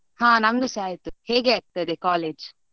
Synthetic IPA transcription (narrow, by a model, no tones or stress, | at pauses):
hãːnɐmnuʃaːjɐt̪uheːɡeːɐk̚t̪ɐd̪ekaːleːd͡ʒ